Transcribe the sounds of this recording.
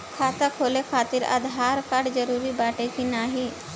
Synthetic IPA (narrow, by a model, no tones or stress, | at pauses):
kʰat̪əkʰolekʰat̪iːɾə̰d̪ʱɦaɾkaɽd͡zəɾuːɾiːbaʈet͡ɕinaɦi